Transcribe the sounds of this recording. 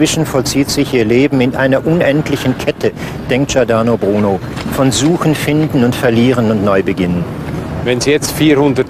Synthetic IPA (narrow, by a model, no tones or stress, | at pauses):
v̥ɪʃn̩fɔlt͡siːtz̥ɪçʔiːɐleːbm̩ɪnʔa̰ɪnɐʔʊnʔɛntlɪçn̩kʰɛtʰə | d̥ɛŋk̚tʒ̥aɐdaːnobʁuːno | fɔnzuːxn̩fɪndn̩ʊntfɛɐliːʁ̞ənʊntnɔʏbəɡɪnən | vɛnzijɛt͡stfiːɾhʊndə